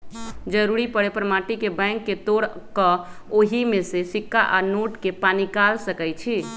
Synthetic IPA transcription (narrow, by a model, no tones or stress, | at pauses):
d͡ʒəɾuɾipəɽepəɾmaʈikebɛ̃ŋkːet̪oɽkə | oɦimẽsesikʰːaʔanoʈkepanikalsəkɛjt͡ʃʰi